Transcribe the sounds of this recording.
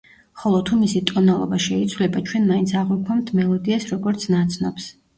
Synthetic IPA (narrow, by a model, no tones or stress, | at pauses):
χɔlˠɔt̪ʰumisit̪ʼɔnalˠɔ̰baʃɛit̪sʰwlɛbat͡ʃʰwɛnmaint̪sʰaʁwɛkʰwamt̪ʰmɛlˠɔd̪iasɾɔɡɔɾt̪sʰnat̪sʰnɔps